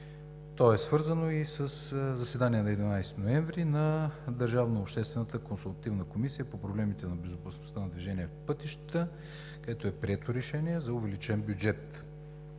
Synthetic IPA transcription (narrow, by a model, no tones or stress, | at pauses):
t̪ɔɛsvɤɾzənoisəszɐsɛd̪aniɛnɐɛd̪inajst̪inoɛɱvɾinɐd̪əɾʒavnəopʃt̪ɛst̪vɛnət̪əkonsulˠt̪ɐt̪ivnəkomisijəpopɾoblɛmit̪ɛnɐbɛzʊpɐsnost̪ənɐd̪viʒɛniɛfpɤt̪iʃt̪ə̥t̪ə | kɐd̪ɛt̪oɛpɾiɛt̪oɾɛʃɛniɛzɐʊvɛlit͡ʃɛnbʲjʊd͡ʒɛt̪